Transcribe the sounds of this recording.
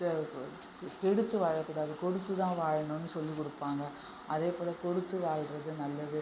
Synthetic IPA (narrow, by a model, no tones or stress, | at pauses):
kɛɽɯt̪ːɯʋaːɻɐkːuːɽaːðɯkɔɽɯt̪ːɯt̪ãːʋaːɻɐɳonːɯsɔlːikɔɽɯpːaːŋɡɐ | ʔɐðeːpoːɭɐkɔɽɯt̪ːɯʋaːɻɾɐðɯnɐlːɐʋeː